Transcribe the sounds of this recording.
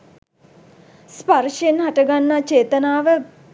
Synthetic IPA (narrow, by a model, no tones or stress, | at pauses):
sparʂenɦaʈəɡanːat͡ʃeːt̪ənaːʋə